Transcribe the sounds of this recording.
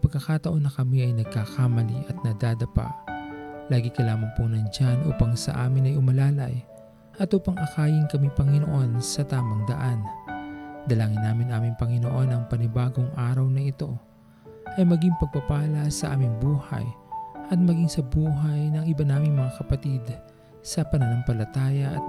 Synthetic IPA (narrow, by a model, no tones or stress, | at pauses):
pɐɡ̚kːɐkaːt̪ɐʔo̞nːɐkɐmiɐjnɐɡ̚kakamɐliʔɐt̪̚nɐd̪aːd̪ɐpa̰ | laːɡɪkɐlaːmɐŋpʊŋnɐŋd͡ʒanʔuːpaŋsɐ̰ʔaːmɪnɐjʊmɐlaːlɐj | ʔɐt̪ʔupaŋʔɐkaːjɪnkɐmipɐŋɪnoʔo̞nsɐt̪aːmɐŋd̪ɐʔan | d̪ɐlaːŋɪnːaːmɪnʔaːmɪŋpɐŋɪnoʔo̞nɐŋpɐnɪbaːɡo̞ŋʔaːɾɐwnɐɪt̪o̞ | ʔɐjmɐɡiŋpɐɡ̚pɐpaːlɐsɐʔa̰ːmɪŋbuːhɐ̰jʔɐt̪̚mɐɡiŋsɐbuːɦɐjnɐŋɪbanaːmɪŋmɐŋakɐpɐt̪id̪ | sɐpɐnɐnoŋpɐlɐt̪aːjɐʔɐ̰t̪̚